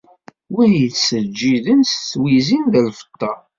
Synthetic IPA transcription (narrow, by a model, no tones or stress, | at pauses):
wænjəθsəd͡ʒːiðənsθwizinðəlfə̥t̪ːɑ